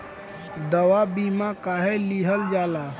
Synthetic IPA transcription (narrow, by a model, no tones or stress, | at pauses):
d̪əwabimakaɦeliɦəld͡ʒala